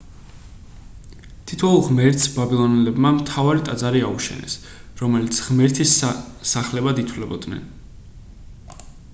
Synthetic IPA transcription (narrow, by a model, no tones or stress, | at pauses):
t̪ʰit̪ʰɔulˠʁmɛɾt̪sbabilˠɔnɛlɛbmamt̪ʰavaɾit̪ʼad̪zaɾiauʃɛ̰nɛ̰s | ɾɔmɛlit̪sʰʁmɛɾt̪ʰissaχlɛbad̪it̪ʰwlɛbɔd̪nɛ̰n